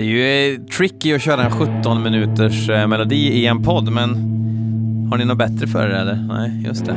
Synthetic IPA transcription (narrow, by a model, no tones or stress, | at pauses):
d̪ɛjɵt̪ʰɾɪkːɪɔɕøːɾaɛnɧɵt̪ːɔnmɪnʉ̟ːt̪əʂmɛlʊd̪iːɪɛnpʰɔd̪ːmɛn | haɳɪnʊbɛt̪ɾəfœ̰ɖɛɛlːəɾnæ̰ɪjɵ̰st̪d̪ɛ̰